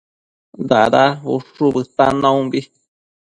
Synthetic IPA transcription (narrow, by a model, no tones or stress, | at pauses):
d̪a̰ɾaṵʂuβɨt̪anãũbi